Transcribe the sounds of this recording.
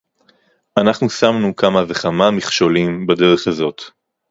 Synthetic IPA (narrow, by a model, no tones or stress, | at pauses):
anaχnusamnukamaveχamamiχʃo̞limbede̞ʁe̞χazo̞t̪